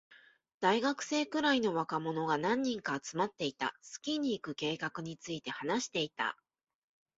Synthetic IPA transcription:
d̪̥aiɡakɯ̟̥se̞ːkɯ̟ɾaino̞βakamo̞no̞ɡanãɲ̟ːĩŋkaːt͡sɨmat̪ːe̞it̪a̰sɨ̥kʲiɲ̟iːkɯ̟ke̞ːkakɯ̟ɲ̟it͡sɨit̪e̞hanaɕi̥t̪e̞it̪a̰

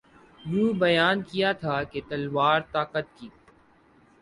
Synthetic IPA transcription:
juːbɐjaːnkijat̪ʰaːket̪ɐlʋaːɾt̪aːkət̪̚kiː

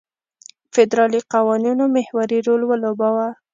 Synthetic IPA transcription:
fɪd̪ɾɑliqawɑninomɪhwaɾiɾolwəlobɑwa

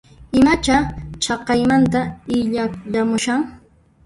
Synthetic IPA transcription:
ɪmat͡ʃat͡ʃɑqɑjmant̪aɪʎaʎamʊʃaŋ

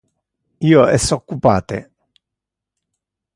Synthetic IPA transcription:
iːoɛsɔkːupaːt̪ḛ

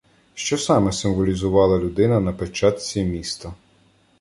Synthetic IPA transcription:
ʃt͡ʃɔsɑmɛsɪmʋɔlʲizʊʋɑlˠɐlʲʊd̪ɪnɐnɐpet͡ʃɑt̪sʲimʲist̪ɐ

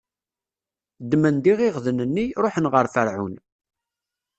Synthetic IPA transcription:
d̪ːmənd̪iʁiʁðənənːiɾoħənʁəɾfəɾʕʊ̰n

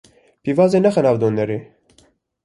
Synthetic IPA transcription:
pivɑːzenɛxɛnɑːvd̪oːnɛɾeː

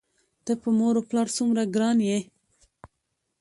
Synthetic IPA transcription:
d̪̥əpəmoɾoplɑɾsumɾaɡɾɑnje

